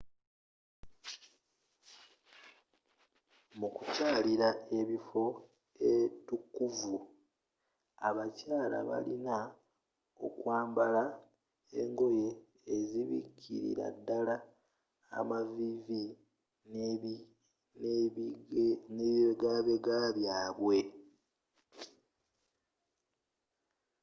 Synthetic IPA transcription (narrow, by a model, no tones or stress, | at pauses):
mukucaːliɾae̞βifo̞ | etukːuvu | aβacaːla̰βa̰lina | o̞̰kwaːmbala | ḛŋɡo̞je̞ː | ziβḭkʰːḭɾḭɾa̰dːala̰ː | mavivi | n | neeɡaβeɡaβjaːβwe̞